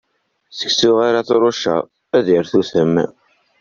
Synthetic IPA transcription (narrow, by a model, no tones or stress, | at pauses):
θə̥ksuʁaɾaθɾˤoʃæ̰ | æðiɾθuθəm